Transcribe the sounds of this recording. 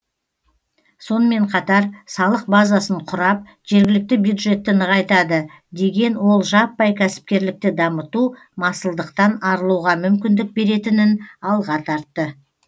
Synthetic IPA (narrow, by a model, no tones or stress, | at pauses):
so̞nəme̞ɴqʰɑt̪ɑɾsɑlˠəq̚bazasəɴqʰʊɾɑp̚ | ʒ̥e̞ɾɡʲɪlɪk̚t̪ɪbjud̪ʒe̞t̪ːɪnəʁɑjt̪ɑd̪ə | d̪e̞ɡʲe̞nwo̞lˠʒɑpːɑjkʲʰæsɪ̥p̚kʲe̞ɾlɪk̚t̪ɪd̪ɑmət̪u | mɑsəlˠd̪əqt̪ɑnɑɾəlˠuʁɑmʏmkʲɪnd̪ɪk̚be̞ɾe̞t̪ɪnɪnɑlˠʁɑt̪ʰɑɾt̪ːə